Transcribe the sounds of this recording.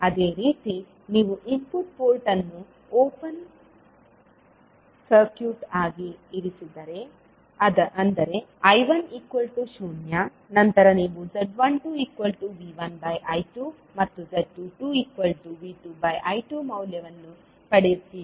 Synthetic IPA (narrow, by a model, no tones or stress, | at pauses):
ɐd̪e̞ːɾiːt̪i | niːʋuʔimpuʈ̚poːɾʈɐnːu | oːpɐn | sɐɾkjuːʈaːɡiːɾisid̪ɐɾe̞ | ɐd̪ɐʔɐnd̪ɐɾe̞ɐjʋɐnikʋɐlʈuʃuːnja | nɐnt̪ɐɾɐniːʋuzɐɖʋɐɳʈuiːkʋɐlʈuʋiːʋɐnbɐjʔɐjʈuː | mɐt̪ːuzeɖʈːuʈuːiːkʋɐlʈuʋiːʈubɐjʔɐjʈuːmɐwljɐʋɐnːu | pɐɽejusi